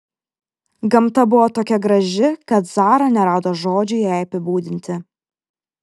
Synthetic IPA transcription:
ɡɐmt̪ɐbʊʋoːt̪oːkʲɛɡɾɐʒʲɪkɐt̪zɑːɾɐnʲɛɾɑːd̪oːʒoːd͡ʒʲʊjæˑɪɐpʲɪbuːd̪ʲɪnʲt̪ʲɪ

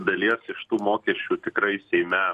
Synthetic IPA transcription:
d̪ɐlʲiɛsɪʃt̪uːmoːkʲiɛʃʲt͡ʃʲuːt̪ʲɪkɾɐɪsʲɛɪmʲɛ

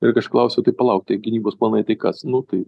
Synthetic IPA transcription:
ɪɾkɐɐʃklˠɐʊsʲot̪ɐɪpɐlˠɐʊk̚t̪ʲiɛɡʲɪnʲiːboːsplˠɐːnɐɪt̪ɐɪkɐsnʊt̪ɐɪ

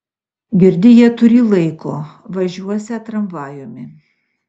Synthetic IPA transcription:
ɡʲɪɾʲd̪ʲɪjiɛt̪ʊɾʲɪlˠɐɪkoː | ʋɐʒʲuɔsʲɛt̪ɾɐmʋɑːjʊmʲɪ

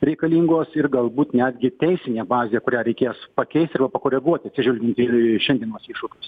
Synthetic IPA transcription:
ɾʲɛɪkɐlʲiːŋɡoːsɪrɡɐlˠbuːt̪nʲæːd̪ʲɡʲɪt̪ʲɛɪsʲɪnʲeːbɑːzʲeːkʊɾʲæːɾʲɛɪkʲeːspɐkʲɛɪst̪ʲɪɾbɐpɐkoːɾʲɛɡuɔt̪ʲɐt̪sʲɪʒʲʊlʲɡʲɪnt̪ʲɪʃʲɛnd̪ʲiɛnuɔsiʃʊkʲʊːs

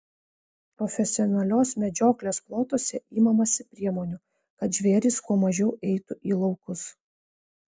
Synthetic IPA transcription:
pɾɔfʲɛsʲɪɔnɐlʲoːsmʲɛd͡ʒʲoːklʲeːsplˠoːt̪oːsʲɛiːmɐmɐsʲɪpʲɾʲiɛmoːnʲʊ | kɐt̪ʒʲʋʲeːɾʲiskuɔmɐʒʲɛʊʔɛɪt̪ʊʔiːlˠɒʊkʊs

